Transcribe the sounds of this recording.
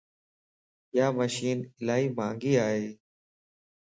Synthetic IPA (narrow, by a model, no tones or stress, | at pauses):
jaːməʃiːnɪlaːɦiːmãːŋɡiːaːɦeː